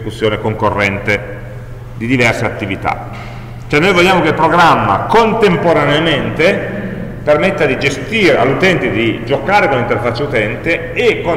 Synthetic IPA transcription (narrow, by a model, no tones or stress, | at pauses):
kusːjoːnekoŋkorːɛnt̪e | d̪id̪ivɛrseat̪ːivit̪a̰ | t͡ʃoɛnːojvoʎːjaːmokelpɾoɡɾamːa̰kont̪empoɾaneament̪e | permet̪ːad̪id͡ʒest̪iːɾea̰lːut̪ɛnt̪ed̪id͡ʒokaːɾekonlːint̪erfat͡ʃːeut̪ɛnt̪eː | kːo